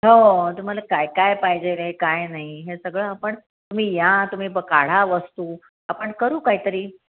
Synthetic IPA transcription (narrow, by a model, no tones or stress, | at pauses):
ɦot̪um̤alakajkajpaɦjd͡ʑelekajnaɦiɦesəɡɭəapəɳ | t̪um̤iːjat̪um̤iːbəkaɽ̤aʋəst̪uː | apəɳkəɾuːkaɦiːt̪əɾiː